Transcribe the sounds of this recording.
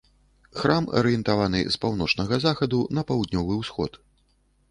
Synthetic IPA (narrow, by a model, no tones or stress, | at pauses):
xɾamɐ̰ɾɨjɛnt̪avanɨ̰spawnɔt͡ʂnɐɣɐzaxɐd̪unɐpɐwd̪nʲɔvɨwsxɔ̰t̪